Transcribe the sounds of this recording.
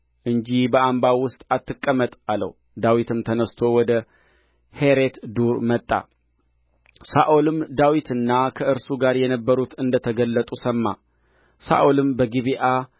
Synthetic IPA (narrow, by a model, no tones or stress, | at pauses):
ʔɨɲd͡ʒibəʔambawʊst̪ʼat̪ːɨkʼːəmət̪ʼalə̰w | d̪awit̪ʰɨmt̪ʰənəst̪ʰo̞wɔd̪ə | he̞ɾet̪d̪uɾmət̪ʼːa̰ | saʔolɨmd̪awit̪ʰɨnːakʰəʔɨɾsuɡaɾjɛnəbːəɾut̪ɨnd̪ət̪ʰəɡəlːət̪ʼusəmːa | sa̰ʔolɨmbəɡiβiʔa